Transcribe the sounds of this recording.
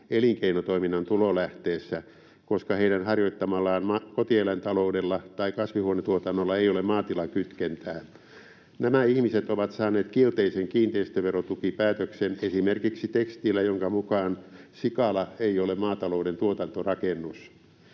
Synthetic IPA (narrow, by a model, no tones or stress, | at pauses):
eliŋkeinot̪oiminːɑnt̪ulolæht̪eːsːæ | koskɑheiɾænhɑrjoit̪ːɑmɑlːɑːnmɑkot̪ielent̪ɑloudelːɑt̪ɑikɑsʋihuonet̪uot̪ɑnːolːɑeijolemmɑːt̪ilɑŋkyt̪kent̪æː | næmæihmiset̪oʋɑt̪sɑːneːt̪kielt̪eiseŋkiːnt̪eist̪øʋerot̪ukipæːt̪øksenesimerkiksit̪ekst̪ilːæjoŋkɑmukɑːnsikɑlɑeiolemmɑːt̪ɑloudent̪uot̪ɑnt̪orɑkenːus